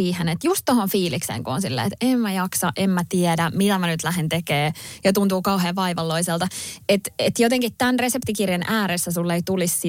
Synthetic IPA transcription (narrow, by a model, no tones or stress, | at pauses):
iːhenet̪just̪tohonfiːliksḛːŋkuo̰nsilːḛːet̪emmæjɑksɑʔemmæt̪iɛdæmit̪æmænyt̪læɦent̪ekeːjɑt̪unt̪uːkɑuɦeːʋɑiʋɑlːoiselt̪ɑet̪et̪jot̪eŋkitt̪ænresept̪ikirjenʔæːɾesːæsulːeit̪ulissi